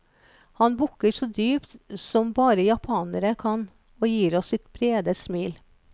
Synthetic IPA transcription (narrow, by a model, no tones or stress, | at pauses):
hɑnbʊkːəɾsɔd̪yːpt̪sɔmbɑːɾəjɑpʰɑːnəɾəkʰɑn | oːjiːɾɔsːɪt̪b̥ɾeːd̪əsmiːl